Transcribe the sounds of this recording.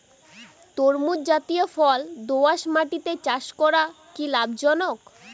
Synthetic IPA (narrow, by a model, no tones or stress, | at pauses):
t̪oɾmud͡ʑat̪ijofɔld̪oaʃmaʈit̪et͡ɕaʃkɔɾa | kilabʱd͡ʑɔnok